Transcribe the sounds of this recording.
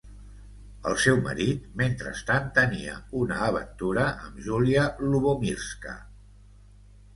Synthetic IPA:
ə̰lˠsɛwmə̰ɾit̪̚ment̪ɾə̰st̪ant̪əniə̰unəːβ̞ənt̪uɾəʔəmʒuliəluβomiɾskə̰

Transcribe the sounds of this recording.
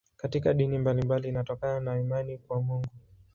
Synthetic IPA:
katikaɗinimbalimbalinatɔkananaimanikwamuŋɡu

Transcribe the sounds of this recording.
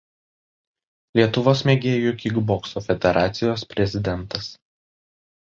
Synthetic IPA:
lʲiɛt̪ʊʋoːsmʲeːɡʲeːjʊkʲɪɡbɔksoːfʲɛd̪ʲɛɾɑːt̪sʲɪjoːspʲɾʲɛzʲɪd̪ʲɛnˑt̪ɐs

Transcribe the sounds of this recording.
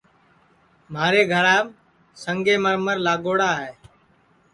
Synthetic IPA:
maːɾeːɡʱəɽaː | səŋɡeːməɾməɾlaːɠoːɽaːɦɛː

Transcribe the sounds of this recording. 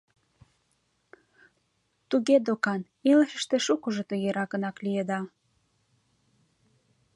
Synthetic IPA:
t̪uɣed̪okɑn | eləʃəʃt̪eʃukoʒot̪əɣeɾɑkənɑklijed̪ɑ

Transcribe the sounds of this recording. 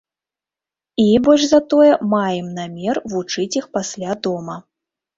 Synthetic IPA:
ibɔlʲʐzɐt̪ɔjɛmajɛmnamʲɛrvut͡ʂɨt͡sʲixpasʲlʲad̪ɔmɐ

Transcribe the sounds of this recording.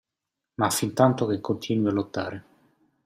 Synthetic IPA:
mafint̪ant̪okekʰːont̪ʰiːnwialot̪ːaːɾe

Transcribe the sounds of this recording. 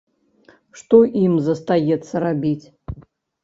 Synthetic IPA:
ʂt̪ɔʔimzɐst̪ajɛt̪sːɐɾabʲit͡sʲ

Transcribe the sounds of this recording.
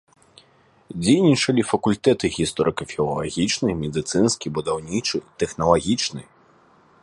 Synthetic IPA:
d͡zʲejnʲit͡ʂɐlʲifɐkulʲt̪ɛt̪ɨɣʲist̪ɔɾʔɨkɐfʲilˠɐ̰lˠa̰ɣʲit͡ʂnɨjmʲɛd̪ɨt̪sɨnskʲibud̪awnʲit͡ʂɨt̪ɛxnɐlˠaɣʲit͡ʂnɨ

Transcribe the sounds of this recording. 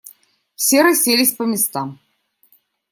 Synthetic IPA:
fsʲeɾɐsʲelʲɪsʲpəmʲɪst̪am

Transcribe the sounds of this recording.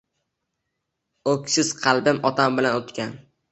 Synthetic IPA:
okʲsɪz̥qʰɑlˠbɪmʔɒt̪ʰambɪlanot̪kʲʰan

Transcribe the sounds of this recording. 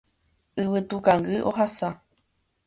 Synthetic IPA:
ɨwɨt̪ukãŋɡɨʔo̰ɦasa

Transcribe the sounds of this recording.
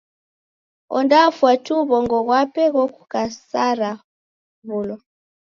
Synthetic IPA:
ɔ̰ndafwatuβɔŋɡɔɣwapɛɣɔku̥kasaɾa | βulɔ

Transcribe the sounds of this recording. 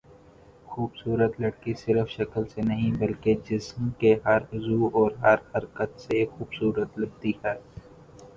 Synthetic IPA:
xuːbsuːɾət̪lɐɽkisɪɾəfʃɐkəlsenɐɦĩbɐlked͡ʒɪsmkeɦɐɾʊzuːɔːɾɦɐɾhɐɾkət̪sexuːbsuːɾət̪lɐɽ̚t̪ihɛː

